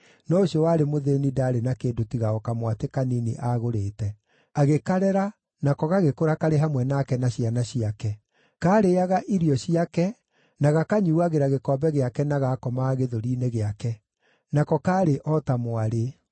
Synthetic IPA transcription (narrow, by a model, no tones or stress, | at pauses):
nɔoɕiɔwaɾemoðenidaːɾenakeːndotiɣaɔkamwatekaniniʔaɣoɾeːtɛ | aɣekaɾɛɾa | nakɔɣaɣekoɾakaɾeɦamwɛnakɛnaɕianaɕiakɛ | kaːɾeaɣaʔiɾiɔɕiakɛ | naɣakaɲuuaɣeɾaɣekɔːbɛɣeakɛnaɣakɔmaɣeðoɾineɣeakɛ | nakɔkaːɾeʔɔtamoaɾe